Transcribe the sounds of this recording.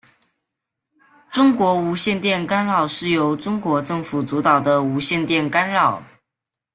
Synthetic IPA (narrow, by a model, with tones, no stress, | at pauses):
ʈ͡ʂʊ˥ŋkwɔ˧˥u˧˥ɕjɛ˥˧nt̪jɛ˥˩nka˥nɻɑ˨˩ʊʂɻ̩˥˩jo˧˥ʊʈ͡ʂʊ˥ŋkwɔ˧˥ʈ͡ʂɤ˥˩ŋfu˨˩t͡su˧˥t̪ɑ˨˩ʊd̪ə˦u˧˥ɕjɛ˥˧nt̪jɛ˥˩nka˥nɻɑ˨˩ʊ